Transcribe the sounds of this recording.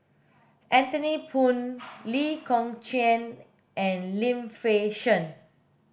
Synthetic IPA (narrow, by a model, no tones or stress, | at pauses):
ʔɛ̃nt̪ənipʰũnlikʰɔ̃ŋt͡ʃɛ̃n | ʔɛ̃nlĩmfeʃə̃n